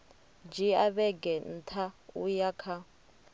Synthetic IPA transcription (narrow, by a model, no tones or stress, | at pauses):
d͡ʒiaβɛɡɛn̩tʰaujakʰa